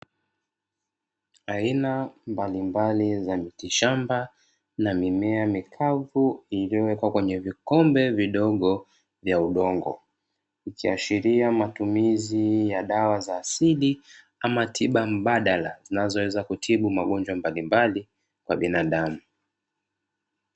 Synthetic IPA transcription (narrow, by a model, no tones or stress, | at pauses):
ainambalimbalizamitiʃamba | namimɛamikʰavuilijɔwɛkwakwɛɲɛvikɔmbɛviɗɔɠɔ | vjauɗɔŋɡɔ̰ | ikiaʃiɾiamatumizijaɗawazaːsili | amatʰiɓam̩ɓaɗalazinazɔwɛzakutʰiɓumaɠɔnd͡ʒwambalimbali | kwaɓinaɗamu